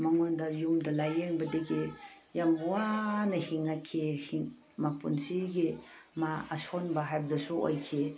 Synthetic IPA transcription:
mɐŋondɐjumdɐlajeŋbɐdeɡe | jamwanɐhiŋakʰːehiŋ | mapṵnsiɡimaɐsonbɐɦajbɐdɐsuo̰jkʰe

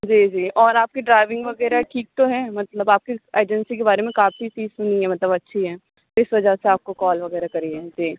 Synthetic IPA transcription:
d͡ʒiːd͡ʒiːɔːɾaːp̚kiɖɾaːɪʋɪ̃ŋɡʋɐɡɛːɾaʈʰiːk̚t̪oɦɛːmɐt̪ləbaːp̚kieːd͡ʒənsikebaːɾemẽkaːfʰisiːsẽnĩɦɛmɐt̪ləbɐtːʃʰiɦɛː | ɪsʋɐd͡ʒaseaːp̚kokɔːlʋɐɣɛːɾakɐɾiɦɛːd͡ʒiː

